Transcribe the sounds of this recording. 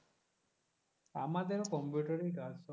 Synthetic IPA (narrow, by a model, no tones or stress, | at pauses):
amat̪eɾokɔmpjuʈəɾiɡʱasɔ